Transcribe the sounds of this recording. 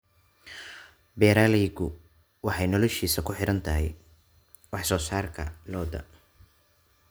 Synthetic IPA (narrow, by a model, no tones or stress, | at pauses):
bɛːɾaːlɛjɡʊ | wɑħɑjnɔlɔʃiːsɐkʰʊħɪɾɐnt̪ʰɐɦɛ̰j | wɑħsɔːsaːrkʰɐ̰lɔːd̪ɐ̰